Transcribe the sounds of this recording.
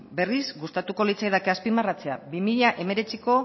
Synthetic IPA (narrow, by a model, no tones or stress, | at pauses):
be̞risɡust̪at̪uko̞lit͡sajðakeaspimarat͡se̞a̰bimiʎaʔe̞me̞ɾe̞t͡siko̞